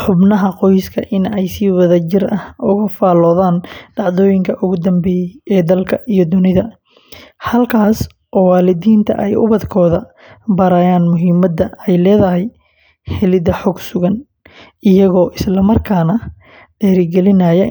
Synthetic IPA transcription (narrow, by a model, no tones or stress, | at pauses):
ħʊbnɐɦɐqɔjskʰɐ̰ʔɪnɛjsiːwɐðɐt͡ʃɪrʔɐhʔʊɣɐfaːlɔːðaːnɖɑʕðɔːjɪŋkʰɐʔʊɣʊd̪ɐmbɛːjɛjɛːd̪ɐlkʰɐʔijɞd̪ʊnɪðɐ | hɐlkʰaːs | ʔɔːwaːlɪd̪iːnt̪ʰɐ̰ʔɛjʊ̰βɐd̪kʰɔːðɐ | bɐɾaːjaːnmʊɦiːmɐd̪ɐɛjlɛːðɐɦɛj | hɛlɪd̪ɐħɔɡsʊɣɐn | ɪjɐɣɔːʔɪslɐmɐrkʰaːnɐ | ɖ̥ɛːɾɪɡɛlɪnɐjɛ